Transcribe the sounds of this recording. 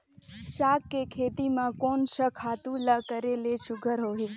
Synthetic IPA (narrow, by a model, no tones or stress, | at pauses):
ʃakːekʰet̪imãkonʃəkʰat̪ũləkəɾeleʃʊɡʱəɾɦoɦi